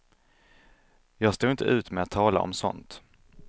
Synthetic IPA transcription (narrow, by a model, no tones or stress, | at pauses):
jɑːɡst̪uːɪnt̪ʰə̰ʔʉ̟ːt̪mɛat̪ʰːɑːla̰ʔɔ̰msɔ̰nt̪